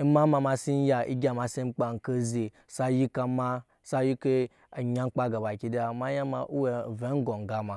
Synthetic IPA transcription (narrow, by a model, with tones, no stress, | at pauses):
ma˦ma˧ma˧si˦n˦ja˨ḭ˦ɡʲa˨ma˨si˦m̩˦k͡pa˨ŋ̩˨ke˦ze˨ | sa˦ji˦ka˧ma˦ | sa˦ji˦ke˦ | a˨ɲa˦ŋ͡m̩˦k͡pa˦ɡa˨ba˨kʲi˨da˨ma˦ja˦ma˨ʔu˦we˨ve˨˦ɡo˨ŋ˨ɡa˨ma˨